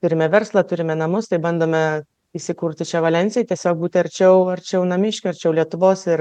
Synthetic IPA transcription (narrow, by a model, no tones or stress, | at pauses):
t̪ʊɾʲɪmʲɛʋʲɛɾslˠɐt̪ʊɾʲɪmʲɛnɐmʊst̪ɐɪbɐnd̪oːmʲɛ | isʲɪkuːɾʲt̪ʲɪt͡ʃʲɛʋɐlʲɛnʲt͡sʲɪjɛt̪ʲiɛsʲoːk̚buːt̪ʲɪɐɾʲt͡ʃʲɛʊɐɾʲt͡ʃʲɛʊnɐmʲɪʃʲkʲʊɐɾʲt͡ʃʲɛʊlʲiɛt̪ʊʋoːsɪɾ